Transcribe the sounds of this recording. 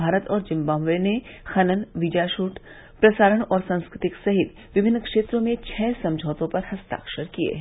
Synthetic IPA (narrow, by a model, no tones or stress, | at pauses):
aːɾət̪ɔːɾd͡ʒɪ̃mbãːmʋenexɐnənʋɪd͡ʒaːʃuːʈ | pɾɐsaːɾəɽ̃ɔːɾsɐ̃nskɾɪt̪ɪksɐɦɪt̪ | ʋɪbʱɪnːkʂeːt̪ɾõmẽt͡ʃʰɛːsɐ̃md͡ʒʱɔːt̪õpɐɾhɐst̪a̰ːkʃəɾkiḛɦɛ